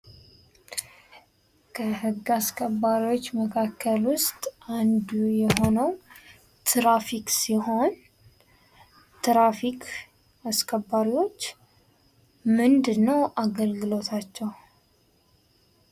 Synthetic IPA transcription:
kʰəhɨɡːaskʰəbːaɾiwo̞t͡ʃːməkʰakːəlwʊst̪ʼand̪ujɛɦo̞nəw | t̪ʰɾafiksiɦo̞n | t̪ʰɾafikʰ | askʰəbːaɾiwo̞t͡ʃː | mɨnd̪ɨnːəwʔaɡəlɡɨlo̞t̪ʰat͡ʃːɛw

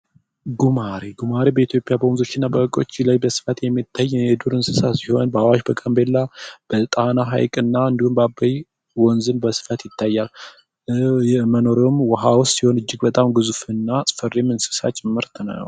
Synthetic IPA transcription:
ɡumaɾiɡumaɾibəit̪ʰjo̞pʼjabəwnzo̞t͡ʃːɪnːabəəkʼo̞̰t͡ʃːilajbəsɨ̥fət̪jɛmːit̪ʰːajːjɛd̪uɾɨnsɨsasiho̞nbəawaʃbəkʼəmbelːab̥ət̪ʼanaɦa̰jkʼɨnːaɨnd̪ihumbabəj | wɔnzɨnbəsɨ̥fət̪jɪt̪ʰːajːal | məno̞ɾomwəɦawsːiho̞nɨd͡ʒːɪɡbət̪ʼamɡɨzufɨnːasʼɨ̥fərːemɨnsɨ̥sa̰t͡ʃʼɪmːɨɾt̪ʰɨna̰nə̰w

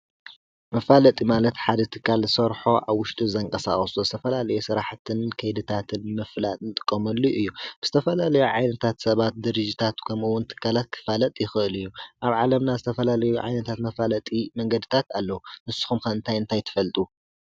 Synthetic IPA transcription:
mɐfalɐt̪ʼimalɐt̪ħad̪ɐt̪ʰɨ̥kːalsɐɾħo̞ʔaβwʊʃt̪ʼuzɐɨŋkʼɐsaχʼɐsozɨt̪ʰɐfɐlalɐjusɨɾaħt̪ʰɨnkʰɐjd̪ɨt̪ʰat̪ʰɨnmɨflat̪nɨt̪ʼɨkʼːɐmɐlːuʔɨjːub̥ɨz̥ɨ̥t̪ʰɐfɐlalɐjuʕajnɐt̪ʰat̪sɐβat̪̚d̪ɨɾɨd͡ʒit̪ʰat̪kʰɐmɨwːʊnt̪ʰɨ̥kʰːalat̪̚kʰɨ̥falɐt̪ʼjɪxɨʔɨlɨjːuʔaβʕalɐmnazɨt̪ʰɐfɐlalɐjuʕa̰jnɐt̪ʰat̪mɐfalɐt̪ʼimɐŋɡɐd̪ɨt̪ʰat̪alːɐwunɨsɨ̥xumkɐɨnt̪ʰajɨnt̪ʰajt̪ʰɨ̥fɐlt̪ʼu

